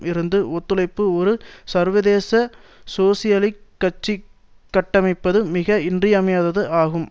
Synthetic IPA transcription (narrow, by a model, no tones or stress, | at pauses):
ɪɾɯnd̪ɯʔɔt̪ːɯlɐɪpːɯɔɾɯsɐɾʋɐðeːsɐsoːsɪjɐlɪkːɐt͡ʃːi | kːɐʈːɐmɐɪpːɐðɯmɪɣɐɪndrɪjɐmɐjaːðɐðɯʔaːɣɯm